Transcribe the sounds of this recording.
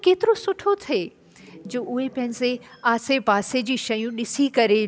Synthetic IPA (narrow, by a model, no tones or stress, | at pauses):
keːt̪ɪɾosʊʈʰot̪ʰeː | d͡ʑoːʔʊɦepɐ̃ɦɪ̃nɪseaːsepaːsed͡ʑiːʃɐjũɗɪsikɐɾe